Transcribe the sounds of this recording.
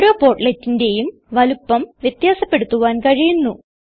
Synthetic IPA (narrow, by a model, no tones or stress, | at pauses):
ɾo̞ːpo̞ːrʈletːinde̞jum | ʋɐlupːɐmʋjɐt̪jaːsɐpːe̞ɽut̪ːuʋaːnkɐɻijunːu